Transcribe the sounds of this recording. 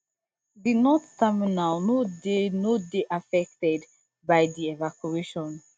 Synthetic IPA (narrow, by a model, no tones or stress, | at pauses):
dinɔttɛminalnodenodeʔafɛk̚tɛd | baɪdiɛvakʰueʃɔ̃n